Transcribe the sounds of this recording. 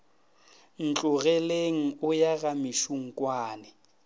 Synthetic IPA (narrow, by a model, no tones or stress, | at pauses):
n̩t͡ɬʼʊɣɛleŋ̩ʊjaɣamɪʃuŋ̩kʼwaːnɛ